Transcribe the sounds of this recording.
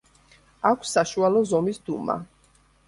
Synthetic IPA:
akʷʰsːaʃualˠɔzɔmisd̪uma̰

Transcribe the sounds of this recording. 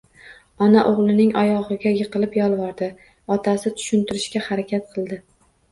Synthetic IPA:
ɒnaʔoʁlˠɪnɪŋɒjɒʁɨɡʲajɨqɨlˠɪpjɒlˠvɒɾd̪ɪ | ɒt̪ʰasɪt̪ʰʊ̥ʃɪnt̪ʰɪɾɪʃkʲahaɾakʲʰat̪̚qʰɨlˠd̪ɪ

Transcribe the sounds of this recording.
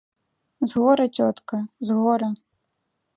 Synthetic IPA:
zɣɔɾɐt͡sʲɔt̪kɐzɣɔɾɐ

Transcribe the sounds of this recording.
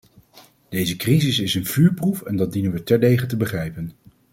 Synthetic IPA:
d̥ejzəkrizɪsɪsənv̥yːɹprufɛndɑd̚dinənʋətɛɹdejχətəbəχrɛjpən

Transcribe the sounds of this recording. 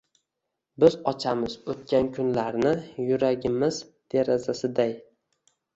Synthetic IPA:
bɪzɒt͡ʃʰamɪz̥ot̪̚kʲʰankʰʊnlaɾnɪjʊɾaɡʲɪmɪz̥d̪̥e̞ɾazasɪd̪aj

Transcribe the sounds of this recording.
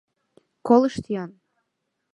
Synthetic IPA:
kolˠəʃt̪ijɑn

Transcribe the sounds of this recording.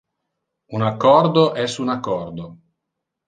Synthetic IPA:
unakːɔrd̪oʔɛsunakːɔrd̪o

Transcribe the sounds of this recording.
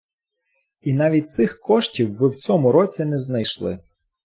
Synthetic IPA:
inɑʋʲit̚ʲt̪sɪxkɔʃtʲiwːɪwt͡sʲɔmʊɾɔt͡sʲinɛznɐjʃlˠɪ̰

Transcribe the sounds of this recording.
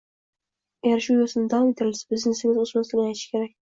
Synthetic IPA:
ajʲaɾʃujosɪnɪd̪ɒb̪eɾɪlsḁbɪznesɪŋʲɪzosmansɪnʲɪajt̪ʰɪʃkʲʰe̞ɾak̚ʲ

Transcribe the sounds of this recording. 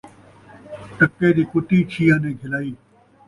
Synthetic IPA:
ʈəkːed̪iːkʊʈ̪it͡ʃʰiːãːnẽːɡʱɪlaːiː

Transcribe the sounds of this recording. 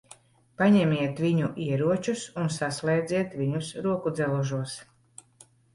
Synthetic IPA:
paɲɛmʲiɛt̪vʲiɲuʔiɛɾuɔt͡ʃusunsaslˠɛːd̪zʲiɛt̪vʲiɲusɾuɔkud̪zɛlˠuʒuɔs

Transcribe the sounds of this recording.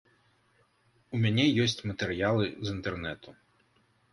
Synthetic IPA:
umʲanʲɛjɔsʲt͡sʲmɐt̪ɛɾɨjalˠɨzint̪ɛrnɛt̪u

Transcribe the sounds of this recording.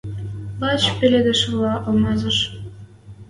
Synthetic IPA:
pɑt͡ɕpʲelʲed̪ʲĕʃlˠɑʔɤ̆lmɑzɤ̆ʃ

